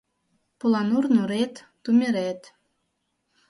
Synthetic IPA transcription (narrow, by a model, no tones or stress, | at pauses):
pulɑnurnuɾet̪ːumʲeɾet̪